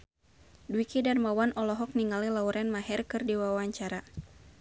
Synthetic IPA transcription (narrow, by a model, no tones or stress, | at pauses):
duwikidarmawanɔlɔɦɔk̚niŋalilauɾɛnmaɦɛrkɨrdiwawaɲt͡ʃaɾa